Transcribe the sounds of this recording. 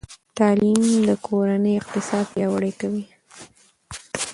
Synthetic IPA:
t̪ɑlimd̪əkʰoɾanəjoɪq̚t̪ɪsɑd̪jɑwaɽəjkawi

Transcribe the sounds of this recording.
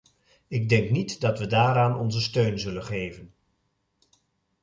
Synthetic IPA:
ɪɡ̚dɛŋknitdɑtʋədaːɾaːnɔ̰nzəstøɥnzɵlənχejvən

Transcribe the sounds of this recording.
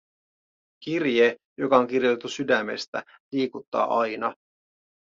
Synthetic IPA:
kirjejo̞kɑo̞ŋk̟irjot̪et̪ːusydæmːe̞̰st̪æ | liːkut̪ːɑ̰ːʔɑjnɑ

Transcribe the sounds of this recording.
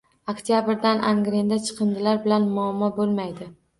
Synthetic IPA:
okt̪ʰjabɪɾd̪anʔa̰ŋɡɾend̪at͡ʃʰɨ̥qʰɨnd̪ɪlaɾbɪlanmʊamːɒbolˠmajd̪ɪ

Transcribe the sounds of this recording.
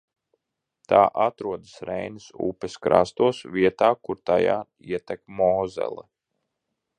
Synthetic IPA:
t̪aːʔat̪ɾuɔd̪asɾɛjnɨsṵːpɛskɾa̰st̪uɔsviɛt̪aːkuɾt̪aja̰ː | iɛt̪ɛkmɔːzɛ̰lˠɛ

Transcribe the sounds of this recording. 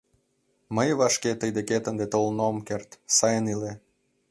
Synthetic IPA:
məjβɑʃket̪əjd̪eket̪ənd̪et̪olnomkert̪sɑjənile

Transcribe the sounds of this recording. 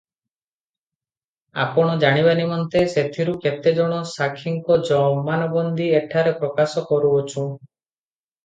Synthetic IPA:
a̰pɔɽ̃ɔd͡ʒaɽ̃iβanimɔnt̪eset̪ʰiɾuket̪ed͡ʒɔɽ̃ɔsakʰiŋkɔd͡ʒɔmanɔbɔnd̪ʱieʈʰaɾepɾɔkasɔkɔɾuot͡ʃʰũ

